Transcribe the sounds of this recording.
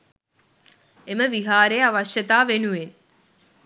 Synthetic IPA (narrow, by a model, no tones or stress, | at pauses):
eməʋiɦaːɾejaʋɐʃjɐt̪aːʋenuʋen